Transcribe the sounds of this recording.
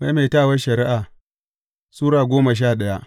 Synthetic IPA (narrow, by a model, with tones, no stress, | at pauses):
ma˦jma˨taː˦˨wɐ˦ʃɐ˨ɾɪ˦ʔaː˨ | suː˦ɾaː˨ɡʷoː˦ma˨ʃ̬aː˦˨ɗɐ˦ja˦ʔ